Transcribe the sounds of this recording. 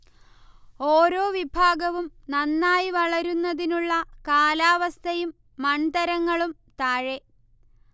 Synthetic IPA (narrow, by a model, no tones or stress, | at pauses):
oːɾo̞ːʋibʱaːɡɐʋumnɐnːaːjiʋɐɭɐɾunːɐðinuɭːɐkaːlaːʋɐst̪ʰɐjumː | ɐɳd̪ɐɾɐŋːɐɭum | t̪aːɻe